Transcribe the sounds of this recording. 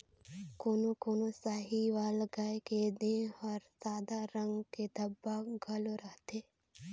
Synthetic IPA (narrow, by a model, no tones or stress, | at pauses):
koːnokoːnosaːɦiʋaːlɡajked̪ẽɔːɾsaːd̪aɾɐ̃ŋɡked̪ʱɐbːaɡʱɐloɾɐɦt̪e